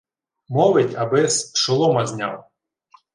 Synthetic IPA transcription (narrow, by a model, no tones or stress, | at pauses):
mɔʋɪtʲɐbɪsʃɔlˠɔmɐzʲnʲɑ̰w